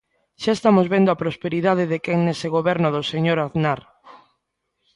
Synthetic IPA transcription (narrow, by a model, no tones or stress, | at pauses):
ʃaest̪amozβend̪oapɾospeɾiðaðɪðekɛŋneseɣoβɛɾnʊðoseɲoɾaðnaɾ